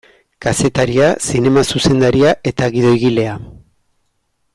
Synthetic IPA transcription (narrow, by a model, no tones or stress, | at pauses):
kase̞t̪aɾiasine̞masuse̞nd̪aɾiaʔe̞t̪aɣiðo̞iɣile̞a